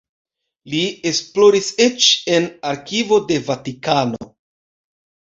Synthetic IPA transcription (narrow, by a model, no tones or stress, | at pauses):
lie̞splo̞ɾiset͡ʃe̞naɾkivo̞de̞vatikano